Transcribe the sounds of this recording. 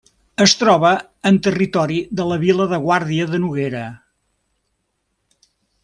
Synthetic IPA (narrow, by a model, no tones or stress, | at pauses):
əst̪ɾɔβəː | nt̪ərit̪ɔɾiðələβiləðəɣwaɾðiəðənuɣeɾə